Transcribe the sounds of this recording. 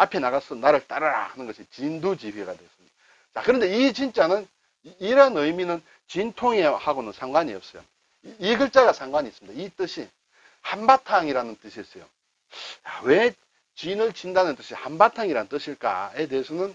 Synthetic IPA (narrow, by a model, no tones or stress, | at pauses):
apʰe̞naɣas͈ʌnaɾɯɭt͈aɾaɾa̰hanɯnɡʌɕʰit͡ɕindud͡ʑiɸiɡadwes͈ɯmɲid̥aa | t͡ɕakɯɾʌnde̞it͡ɕint͡ɕ͈anɯn | iɾʌnɯjminɯn | t͡ɕintʰoŋehaɡonɯnsʰaŋɡwaɲiʌp̚s͈ʌjo̰ | iɡɯɭt͡ɕ͈aɡasʰaŋɡwaɲiːs͈ɯmidait͈ɯɕʰi | hambatʰaŋiɾanɯnt͈ɯɕʰies͈ʌjo̰ | jawe̞ | t͡ɕinɯɭt͡ɕindanɯnt͈ɯɕʰihambatʰaŋiɾanɯnt͈ɯɕʰiɭk͈a̰e̞deɦesʰʌnɯn